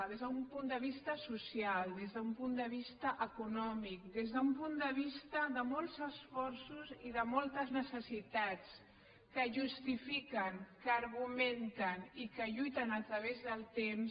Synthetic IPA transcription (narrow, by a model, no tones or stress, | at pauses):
ðezðəumpund̪əβ̞ist̪əsusialˠd̪ezðəumpund̪əβ̞ist̪əʔəkunɔmik̚d̪ezðəumpund̪əβ̞ist̪əðəmɔlˠzəsfɔɾsuziðəmɔlˠt̪əznəsəsit̪at͡s | kəʒust̪ifikəŋkəːɾɣument̪ənikəʎujt̪ənət̪ɾəβezðəlˠt̪ems